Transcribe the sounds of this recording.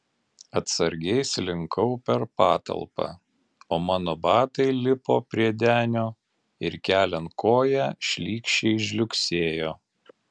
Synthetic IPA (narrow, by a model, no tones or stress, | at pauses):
ɐt̪sɐɾʲɡʲɛɪslʲɪŋkɐʊpʲɛɾpɑːt̪ɐ̰lˠpɑ̰ː | oːmɑːnoːbɑːt̪ɐɪlʲɪpoːpʲɾʲiɛd̪ʲæːnʲoː | ɪɾkʲæːlʲɛnt̪koːjæʃʲlʲiːkʃʲt͡ʃʲɛɪʃ̬ʲlʲʊkʲsʲeːjoː